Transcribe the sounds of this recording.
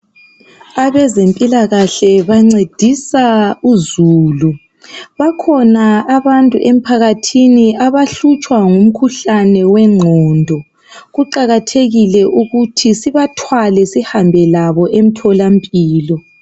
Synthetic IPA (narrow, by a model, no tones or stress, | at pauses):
aβɛzempʼilaɣaɬɛβaŋ͡ǀed̥ʱisauzuːlu | βakʰɔnaːβantʼuʔem̩pʰaɣatʰiniaβaɬut͡ʃʼwaŋum̩kʰuɬanɛwɛŋ͡ǃʱɔndʱɔ | ɣuǃaɣatʰeɣilɛʔuɣutʰisiβatʰwalɛsihambʱɛlaβɔʔem̩tʰɔlampʼiːlɔ